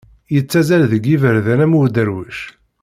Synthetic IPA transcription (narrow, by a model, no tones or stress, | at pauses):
jət͡sːæzælðəɡːivəɾðænæmud̪əɾwəʃ